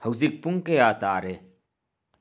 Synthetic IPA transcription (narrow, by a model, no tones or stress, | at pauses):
hɐwzik̚puŋkejaːt̪aːɾe